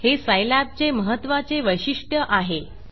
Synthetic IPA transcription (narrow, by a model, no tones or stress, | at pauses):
hesəjlap̚t͡seməɦət̪ːʋat͡seʋəjɕiʂʈjəʔaɦe